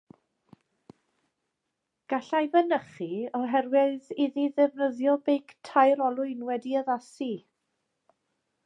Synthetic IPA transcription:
ɡ̥aɬajvənəχiɔɦɛrwɪðiðiðɛvnəðjɔbejktʰajɾɔlˠʊɨnwɛdiəðasi

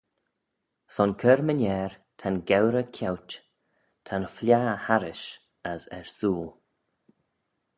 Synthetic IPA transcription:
sɔnkʰəɹmənʲɛːɹ | tʰanɡɛwɾəkʰawt | tʰanəflʲjaːhaɾɪʃ | əzɛ̰ɹsuːl

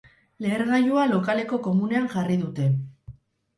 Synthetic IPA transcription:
le̞ːɾɣajualo̞kale̞ko̞ko̞mune̞aŋʝariðut̪e̞

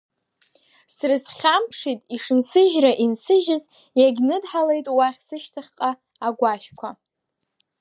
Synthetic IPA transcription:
srɨsχʲampʰʂitʼiʂɨnsɨʒraʔinsɨʒɪz | jaɡʲnɨdħale̞jtʼwaχʲsɨʃtʰaχʲqʼaː | ɡʷaʃʲᶣkʷʰa

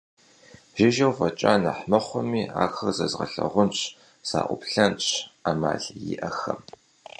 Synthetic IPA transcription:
ʒ̥ɪʒɐwfɐt͡ʃʼaːnɐħmɐχʷʊmiːa̰ːxɐrzɐzʁɐ̰ɬɐʁʷʊnt͡ʃʰ | sa̰ːʔʷʊpɬɐnt͡ʃʰama̰ːɮjɪʔɐxɐm

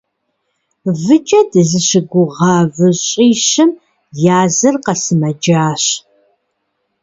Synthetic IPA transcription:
vɨd͡ʒʼɐdɨzɨɕɪɡʷʊʁɑːvɨɕʼiːɕɨm | jaːzɐrqɐsɨmɐd͡ʒaːɕ

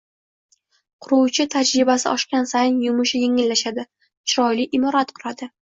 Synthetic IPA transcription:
qʰʊɾuwt͡ʃʰɪt̪ʰad͡ʒɾɪbasɪ̰ʔɒʃkʲansajnjʊmʊʃɪjeŋɪlːaʃad̪ɪ | t͡ʃʰɾɒjliʔɪmɒɾat̪qʰʊɾad̪ɪ

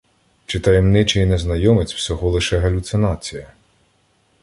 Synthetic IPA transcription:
t͡ʃɪt̪ɐjɛmnɪt͡ʃɪjineznɐjɔmɪt͡sʲw̥sʲɔɦɔlˠɪʃɛɦɐlʲʊt̪sɪnɑt͡sʲijɐ

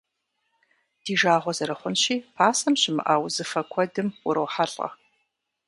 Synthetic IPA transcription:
d̥iːʒaːʁʷɔzɐɾɨχʷʊnɕiːpʰaːsɐmɕɪmɨ̰ʔaːwzɨfɐkʷʰɔdɨmʊɾɐwħaɬʼɐ̰

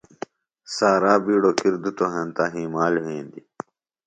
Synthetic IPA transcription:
saːɾaːbiːɽoːkiɾd̪ut̪oɦɐnt̪aːɦiːmaːlɦẽːnd̪i

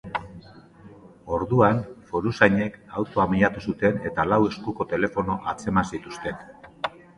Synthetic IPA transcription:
o̞ɾðuanfo̞ɾusajɲe̞kawt̪o̞amiʎat̪usut̪e̞ne̞t̪alawe̞skuko̞t̪e̞le̞fo̞no̞ʔat͡se̞mansit̪ust̪e̞n

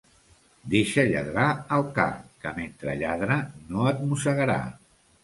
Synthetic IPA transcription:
d̪eʃəʎa̰ðɾaəlˠka̰kəment̪ɾə̰ʎaðɾənoət̪̚musəɣəɾa̰

